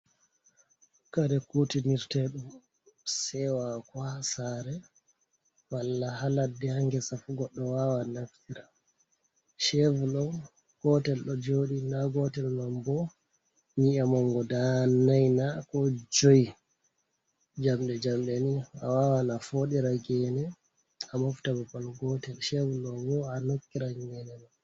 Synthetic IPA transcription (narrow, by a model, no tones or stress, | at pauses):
kaɾɛkutiniɾtɛɗum | sɛwakwasaɾɛ | walːahaladːɛhaŋɡɛsafuɡɔɗːɔwawanaftiɾa | ʃɛvulɔ | ɡ̥ɔtɛlɗɔd͡ʒoːɗinaɡɔtɛlnambɔ | niamɔŋɡɔdanajnakɔd͡ʒoji | d͡ʒamɗɛd͡ʒamɗɛnia̰wawanafoɗiɾaɡɛnɛ | amaftababalɡɔtɛlʃɛvulɔwɔanokːiɾaɡɛnɛɗɔ